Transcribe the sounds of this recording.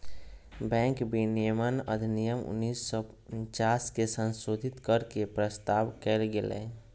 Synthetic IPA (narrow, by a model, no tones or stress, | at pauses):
bɛ̃ːŋkbinijmənə̰d̪ʱnijəmʊ̰nːiːsːɔp | nt͡ʃaːskesə̃nsoːd̪ʱɪt̪kəɾkepɾəst̪aːʋkɛlɡelḛː